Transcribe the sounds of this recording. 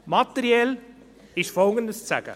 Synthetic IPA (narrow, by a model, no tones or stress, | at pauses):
mat̪ɛɾiɛl | ɪʃfɔlɡəndəst͡sæɡ̥ə̰